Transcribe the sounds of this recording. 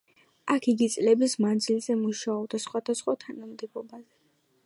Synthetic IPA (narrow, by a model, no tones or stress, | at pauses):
akʰiɡit̪sʼlɛbismand̪zilzɛmuʃaɔbd̪asχwad̪asχwat̪ʰanamd̪ɛbˠɔbazɛ